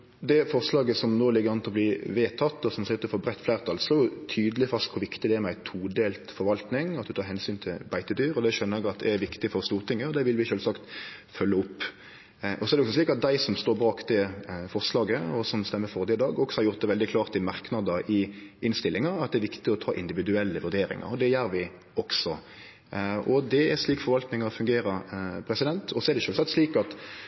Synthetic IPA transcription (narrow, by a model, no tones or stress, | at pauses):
d̪ɛfɔʁslɑːɡəsɔmnoːlɪɡːəɾɑnt̪ɔliːʋeːt̪ʰɑt̪ːɔsɔmslɪt̪ːəɾfɔbɾɛt̪ːflæɪʁt̪ʰɑlsɔjʊt̪ʰyːd̪əlɪfɾɑst̪kʰʊɾʋɪkt̪ɪd̪ɛæmɛæɪt̪ʰuːd̪eːlt̪fɔɾʋɑlt̪nɪŋɑt̪̚d̪ʉt̪ʰɑːɾɦɛnsyːnt̪ʰɪlbæɪt̪əd̪yːɾɔd̪ɛʃœnːəɛɡɑt̪̚d̪ɛæɾʋɪkt̪ɪfɔɾst̪uːʁt̪ʰɪŋːəɔd̪ɛʋɪlʋɪʃøːlsɑkt̪fœlːəʊpː | ʔɔsɔɛɾdɛɔksɔsliːkɑt̪̚d̪æɪsɔmst̪oːɾbɑːkd̪ɛfɔʁslɑːɡəɔsɔmst̪ɛmːəɾfɔʁd̪ɛd̪ɑːɡɔksɔhɑɾjʊʁt̪̚d̪ɛʋɛld̪ɪkʰlɑːʁt̪ɪmɑʁknɑd̪əʔɪɪnst̪ɪlːɪŋəɾɑt̪̚d̪ɛæɾʋɪkt̪ɪɔt̪ʰɑːʔɪnd̪ɪʋɪd̪ʉɛlːəʋʉʁd̪eːɾɪ̰ŋɑ̰ɾɔd̪ɛjæːɾʋɪ | ɔksɔ | ɔd̪ɛæɾsliːkfɔɾʋɑlt̪nɪŋɑɔfʉŋɡeːɾəɾpʰɾɛsɪd̪ɛnt̪ʰɔsɔɛɾd̪ɛʃøːlsɑkt̪sliːkɑt̪